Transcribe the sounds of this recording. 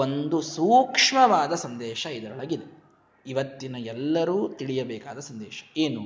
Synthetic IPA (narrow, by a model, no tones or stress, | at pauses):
o̞nd̪usuːkʂmɐʋaːd̪ɐsɐnd̪ɛːʃɐid̪ɐɾɐɭɐɡid̪e | iʋɐt̪ːinɐɛlːɐɾuːt̪iɭijɐbɛːkaːd̪ɐsɐnd̪ɛ̰ːʃɐ̥eːnu